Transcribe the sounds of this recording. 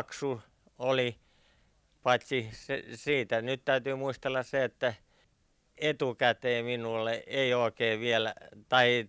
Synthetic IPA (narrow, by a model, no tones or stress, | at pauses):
ksu | oli | pɑt̪ʲsisḛsiːt̪ænyt̪t̪æyt̪yːmuist̪elːɑsseet̪ːæ | et̪ukæt̪eːminulːeeioˑikeːʋielt̪ɑi